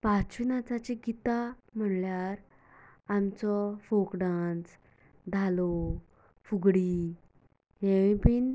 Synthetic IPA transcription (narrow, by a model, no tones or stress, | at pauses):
pat͡ɕinat͡sat͡ɕiɡit̪am̤əɳljaɾ | amt͡sɔfokɖãnt͡s | d̪ʱalo | fuɡɽi | ɦẽʋĩpiːn